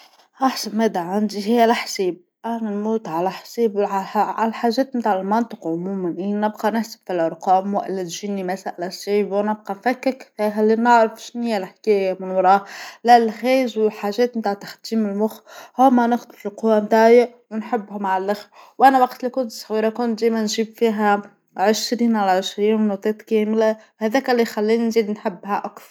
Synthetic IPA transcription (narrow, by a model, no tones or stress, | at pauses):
ʔaħsabmed̪aʕand̪iɦɪjːalħsiːb̚ | ʔananmuːt̪ʕalaħsiːbaħa̰laħaːʒeːt̪mɪt̪aʕɪlmɑnt̪ˤɨqʕʊmuːmanʔinɪbqɑnɪħsḁb̥filʔɑɾˤqɑːmwaʔlːat̪ʒinːimasaʔlaʃiːbwnɪb̚qɑfakːɪkːɦalːinɪʕɾɪfʃɪnhɪjːalħkeːjamɪnwɑɾˤɑːlaʔlxeːzwɪħaːʒeːt̪nɪt̪aːʕt̪ḁxd̪iːmɪlmʊxhoːmːanɪxt̪ˤlfilquwant̪aːjɪʔ | wɪnħɪbːhʊmaʕalʔaxwʔanawaqt̪likʊnt̪sˤɣiːɾˤɑkʊnt̪̚d̪eːjmænʒiːbfiːɦa | ʕɪʃɾiːnʕalaʕɪʃɾiːnnot̪ˤːeːt̪keːmɪla | hæðæːkalːixalːiːninziːd̪nħɪbːhaʔakθˤɾ